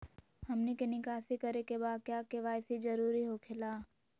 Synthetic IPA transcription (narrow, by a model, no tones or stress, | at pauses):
hɐmnekenikaːsikɐɾekebaːd̪̚kjaːkeʋaːjsid͡ʒɐɾuːɾiɦokʰɪlaː